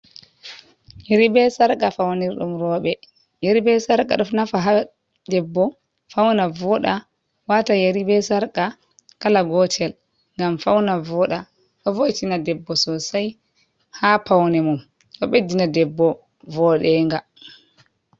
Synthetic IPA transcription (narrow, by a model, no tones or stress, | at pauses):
jeɾibɛsaɾkʼafawniɾɗṵmɾɔɓɛ | jeɾibɛsaɾkʼa̰ɗufnafaɦa | dɛbːɔ | fawnavɔɗa | watajeɾibɛsaɾka | kalaɡɔtʰɛl | ŋɡamfawnavɔɗa | ɗɔvoʔtinadɛbːɔsɔsaj | hapawnɛmum | ɗɔɓedinadɛbːɔ | vɔɗɛŋɡa